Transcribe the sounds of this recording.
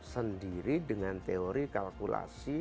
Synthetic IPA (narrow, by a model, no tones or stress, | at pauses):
səndiɾidəŋant̪eoɾikalkula̰si